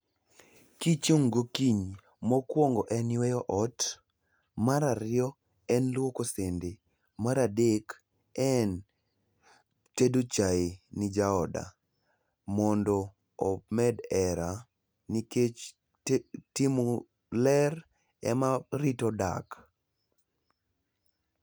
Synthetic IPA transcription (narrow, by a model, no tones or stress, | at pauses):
kit͡ʃoŋɡokiɲ | mɔkwoŋɡɔʔɛnwɛjɔʔɔt | maɾaɾɪɔ | ɛnlwokosende | maɾadek | ɛn | tedot͡ʃaɪnɪd͡ʒaɔda̰ | mɔndɔ | ɔmɛdɛɾa | niket͡ʃ | timɔ | lɛr | ɛ̰maɾitɔda̰k